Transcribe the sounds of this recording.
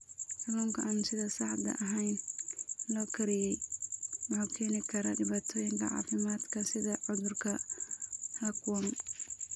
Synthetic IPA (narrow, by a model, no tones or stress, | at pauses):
hɑruːŋkʰɐʔaːnsɪðɐsɑħd̪ɐ̰ʔɐɦɛjn | lɔːkʰɐɾɪjɛjwɑħuːkʰɛːnɪkʰɐɾɐ̰ɖɪβaːt̪ʰɔːjɪŋkʰɐ̰ʕɑ̰ːfɪmaːd̪kʰɐsɪðɐʕʊðʊrkʰɐ | lɐkʰʊwɐm